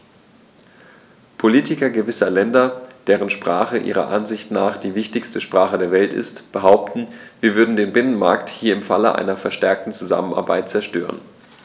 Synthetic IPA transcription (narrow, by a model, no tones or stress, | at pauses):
pʰoliːtɪkɐɡəvɪsɐlɛndɐd̥eːʁ̞ənʃpʁ̥a̰ːχəʔḭːʁ̞ɐ̰ʔanzɪçtnaːχd̥iːvɪçtɪçstəʃpʁ̥aːχədeːɐvɛltɪ̰stb̥əɦaʊp̚tn̩viːɐvʏɐdn̩deːnbɪnənma̰ɐkthiːɐɪmfa̰ləʔa̰ɪnɐfɛɐʃtɛɐk̚tn̩t͡suza̰məna̰ɐba̰ɪt̚t͡sɛɐʃtø̰ːʁə̰n